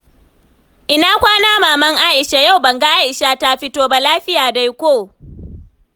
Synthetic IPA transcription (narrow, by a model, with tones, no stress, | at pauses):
ʔɪ˦naː˦kʷaː˦naː˦maː˨mɐ˦ŋʔaː˦ʔɪ˨ʃa˨ja˦˨wbɐ˨ŋɡa˦ʔa˦ʔɪ˨ʃa˦ta˦ɸɪ˦toː˦ba˨laː˦ɸɪ˦jaː˨da˦jkʷoː˦˨